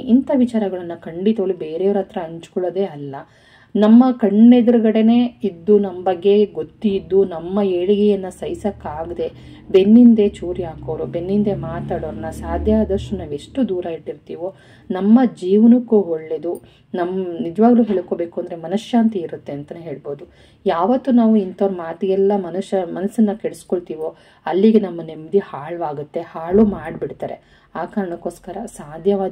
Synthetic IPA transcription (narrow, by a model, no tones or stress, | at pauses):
int̪ɐʋit͡ʃaːɾɐɡɐɭɐnːukʰɐɳɖit̪ɐʋɐlːubeːɾeːʋɐɾɐt̪ɾɐɐɲt͡ʃu̥kɔɭːɐd̪e̞ːɐlːɐ | nɐmːɐkɐɳːed̪ɐɾuɡɐɽe̞ne̞ːid̪ːunɐmːɐbɐɡːe̞ɡot̪ːiːd̪ːunɐmːɐeɽiɡɛjɐnːɐsɐjsɐkːaːɡd̪e̞ | be̞nːind̪e̞t͡ʃuːɾijaːkoːʋɾube̞nːind̪e̞maːt̪aːɽoʋɾɐnːɐsaːd̪ʱjaːd̪ɐʂʈunaːʋe̞ʂʈud̪uːɾɐiʈːiɾt̪iːʋo | nɐmːɐd͡ʒiːʋɐnɐkːuɦoɭːed̪u | nɐmːɐnid͡ʒɐʋaːɡɐluːɦe̞ːɭkoːbe̞ːkuɐnd̪ɐɾe̞mɐnuʂjaːnt̪iiɾut̪ːe̞ɐnt̪ɐneɦe̞ːɭbo̞ːd̪u | jaːʋɐt̪ːunaːʋuint̪ɐʋɾɐmaːt̪ɐjɛlːɐmɐnɐʃɐmɐnɐsːɐnːɐkeɭeskoɭt̪iːʋo | ɐlːiɡenɐmːɐnemːɐd̪ihaːɭuaːɡut̪ːe̞haːɭumaːɖbiɽt̪aːɾe̞̰ | aːkaːɾɐɳɐkːoːskɐɾɐsaːd̪ʱjɐʋaː